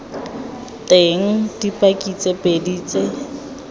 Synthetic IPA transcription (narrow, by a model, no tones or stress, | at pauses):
teŋ̩d̥ipʼakʼit͡sʼepʼediːt͡sʼe